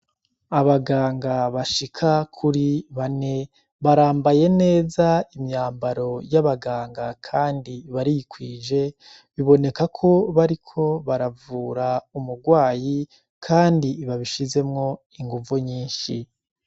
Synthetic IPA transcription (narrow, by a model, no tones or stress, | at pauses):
aβaɡaːŋɡaβaʃikʰakʰuɾiβane̞ | βaɾaːmbaje̞ne̞ːzaimɲaːmbaɾo̞jaβaɡaːŋɡakʰaːndiβaɾijikwiːʒe̞ | βiβo̞ne̞kakʰo̞βaɾikʰo̞βaɾavuːɾaumuɡwaːji | kʰaːndiβaβiʃize̞mŋo̞ | iŋɡuvuɲiːnʃi